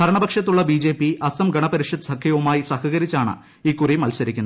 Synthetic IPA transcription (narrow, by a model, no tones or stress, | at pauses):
d̪ʱɐɾɐɳɐbɐkʂɐt̪ːuɭːɐbiːd͡ʑe̞ːpːiɐsɐmɡɐɳɐpɐɾiʂjɐd̪ɨ̥sɐkʰːɐjɐʋumaːjisɐhɐɣɐɾit͡ɕːaːɳɨ̰ | iːkːurimɐlsɐɾikʲːunːɐ